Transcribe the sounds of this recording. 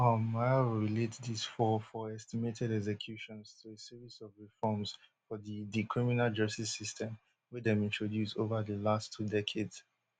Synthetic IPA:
amaɪɹiletdisfɔfɔɛstimetʰɛɾɛɡs̬ɛkʰjuʃɔ̃nstʰuesiɹisɔvɹifɔms | fɔðidikʰɹiminald͡ʒʌstisistʰɛ̃m | widɛ̃mĩntʰɹodjusovəðəlastʰːudɛkʰedz̥

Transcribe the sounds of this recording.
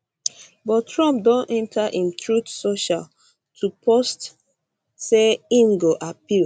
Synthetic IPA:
bɔtɹɔ̃mp̚dõnɛ̃ntʰaʔĩmt̪ɹutsoʃal | tʰupʰɔst | seĩmɡoʔapil

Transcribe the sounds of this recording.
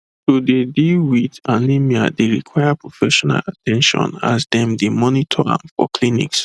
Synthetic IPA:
todedilwidanimiadeɹikʰwaɪapʰɹofɛʃɔna̰latʰɛ̃nʃɔ̰̃na̰zdɛ̃mdemɔnitʰɔã̰mfɔ̰kʰlinḭks

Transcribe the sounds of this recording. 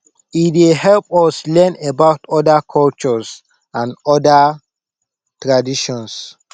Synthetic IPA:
idehɛlpɔslɛ̃nebaʊtɔdakʰɔlt͡ʃɔs | ãnɔda | tɹadiʃɔ̃ns

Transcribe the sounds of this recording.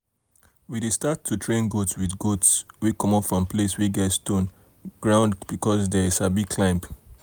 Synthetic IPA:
widestatʰːutʰɹẽnɡotswidɡotswikɔ̃mɔfɹɔ̃mpʰleswiɡɛtstõn | ɡ̥ɹãʊ̃ndbikʰɔsdɛisabiɡkʰlãmp

